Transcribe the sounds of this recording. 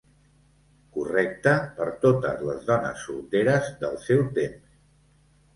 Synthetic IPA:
kurɛk̚t̪əpəɾt̪ot̪ə̰zlə̰zðɔnə̰sːult̪eɾəzðəlˠsɛwt̪ems

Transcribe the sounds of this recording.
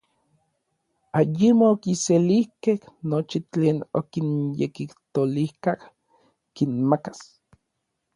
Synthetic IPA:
ajimookiselihkehnot͡ʃit͡ɬeːno̰kinjḛkiht̪olihkah | kinmakḁs

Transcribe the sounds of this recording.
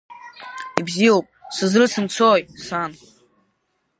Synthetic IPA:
ibziowpʼsɨzrɨsʰɨmt͡sʰojtsan

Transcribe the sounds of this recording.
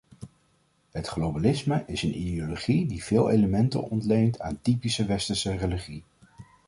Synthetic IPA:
ɦətχlowbalɪsməʔɪsənʔḭdioloχidiv̥ɪːlˠḛjləmɛntə̰nɔ̰ntlejntʰa̰ːntipisəʋɛstəɹsəreliχi

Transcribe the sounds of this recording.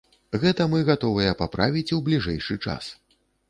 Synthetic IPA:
ɣɛt̪ɐmɨɣat̪ɔvɨjɛpapɾa̰vʲit͡sʲwblʲiʐɛjʂɨt͡ʂa̰s

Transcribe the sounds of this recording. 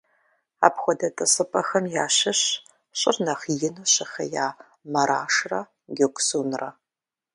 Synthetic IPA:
a̰ːpxʷɔdɐtʼɨsʼɨpʼɐxɐmjaːɕɪɕ | ɕʼɪrnɐχjɪnuɕɪxɐ̰jaː | mɐɾaːʂrɐ | ɡʲekʷʼsuːnrɐ

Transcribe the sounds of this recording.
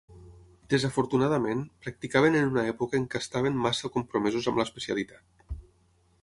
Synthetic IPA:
d̪̥ezafoɾt̪unað̞amẽnpɾak̚t̪ikaβ̞enenunaɛpukəeŋkəst̪aβ̞emmasəkumpɾomɛzuzamləespesialit̪at̪̚

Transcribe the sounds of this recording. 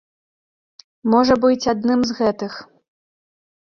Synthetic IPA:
mɔʐɐbɨt͡sʲad̪nɨmzɣɛt̪ɨx

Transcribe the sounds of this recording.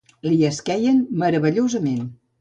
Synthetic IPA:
liəskɛjənməɾəβəʎozəmen

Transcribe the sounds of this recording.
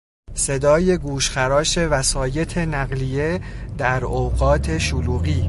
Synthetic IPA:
se̞d̪ɒːje̞ɡuːʃxæɾɒːʃe̞væsɒːje̞t̪ʰe̞næɣlije̞d̪æɾowɣɒːt̪ʰe̞ʃoluːɣiː

